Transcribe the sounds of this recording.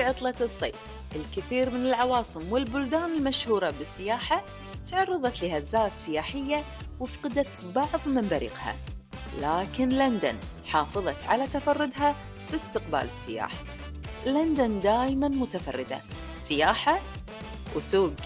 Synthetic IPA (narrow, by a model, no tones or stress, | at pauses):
ʕʊt̪ˤlɑt̪ɨsˤːḛːf | ʔɪlkɪθiːɾmɪnɪlʕɑwɑːsˤɨmwɪlbʊld̪aːnɪlmaʃhuːɾˤɑbɪsːɪjaːħa | t̪ʕɑrˤːɨðˤɑt̪lɪhazːaːt̪sɪjaːħɪjːa | wɪfqɪd̪at̪bɑʕðˤmɪmbaɾḭːqha̰ | laːkɪnland̪a̰n | ħɑːfɨðˤɑt̪ʕa̰lat̪afɑrˤːʊd̪ɦa | b̥ɪst̪ɪqba̰ːlɪsːɪja̰ːħa | land̪and̪aːjmanmʊt̪afɑ̰rˤːɪd̪a̰ | sɪjaːħa | wsuːɡ